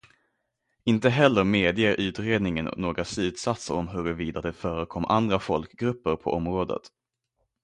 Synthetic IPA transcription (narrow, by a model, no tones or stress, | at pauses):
ɪnt̪əɦɛlːəɾmeːd̪ɪəɾʔʉ̟ːt̪ɾeːd̪nɪŋənɔ̰noːɡɾaslʉ̟ːt̪sat̪səɾɔmɦɵɾviːd̪ad̪ɛfœːɾəkʰɔmːʔa̰nd̪ɾafɔlkɡɾɵpːəɾpʰɔʔɔmɾoːd̪ə̰t̪